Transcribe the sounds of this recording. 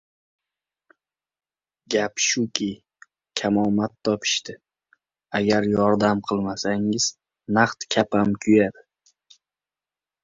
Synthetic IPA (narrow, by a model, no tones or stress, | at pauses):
ɡʲapʃʊkʲʰɪ | kʲʰamɒmat̪ʰːɒpʰɪ̥ʃt̪ɪ | aɡʲaɾjɒɾd̪amqʰɨlˠmasaŋɪz̥ | naqt̪kʲʰapʰamkʲʰʊjad̪ɪ